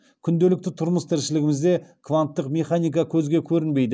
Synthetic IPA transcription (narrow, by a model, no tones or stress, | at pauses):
kʲʰʏnd̪elɪk̚t̪ɪt̪ʰʊɾməst̪ʰɪɾʃɪlɪɡʲɪmɪzd̪e̞kʰvant̪ːəqmʲe̞χanijk̬ɑkʲʰɵzɡʲe̞kʲʰɵɾɪnbe̞jd̪ɪ